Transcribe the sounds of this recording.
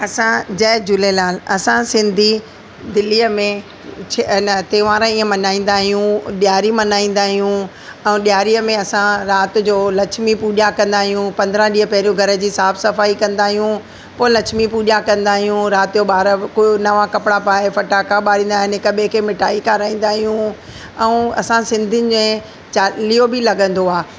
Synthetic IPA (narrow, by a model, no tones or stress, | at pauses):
ɐsãd͡ʑɛːd͡ʑʊlelaːlɐsãsɪ̃nd̪ʱi | d̪ɪlːiːəmẽ | t͡ɕʰnət̪eːʋaːɾə̃iːə̃mɐnaːĩːn̆d̪aːɦijũɗijaːɾimɐnaːĩːnd̪aːɦijũ | ɛ̃ːɗijaːɾiːəmẽɐsãɾaːt̪̆d͡ʑoːlɐt͡ʃʰmipuːɗjakɐ̃nd̪aːɦijũpɐ̃nd̪ɾə̃ɗiːəpɐɦɪɾijũɡʱɐɾə̆d͡ʑiːsaːfsɐfaːikɐ̃nd̪aːɦijũ | poːlɐt͡ʃʰmipuːɗakɐ̃nd̪aːɦijũɾaːt̪ɪd͡ʑoɓaːɾəkːnɐʋãkɐpɪɽapaːefɐʈaːkaɓaːɾĩːnd̪aːɦɪnẽkɐɓʱekʰeːmɪʈaːikaːɾaːĩːn̆d̪aːɦijũ | ɛ̃ɐ̰sãsɪ̃nd̪ʱɪnɪ̆ẽ | t͡ɕaːlijobɪlɐɡə̃nd̪oaː